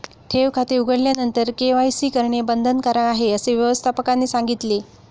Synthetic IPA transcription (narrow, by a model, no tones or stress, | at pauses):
ʈ̪ʰeʋkʰat̪euɡʱəɽljanənt̪əɾkeʋajsiːkəɾɳebənd̪ʱənkəɾəaɦeəseʋjəʋəst̪ʰapəkanːiːsaŋɡit̪le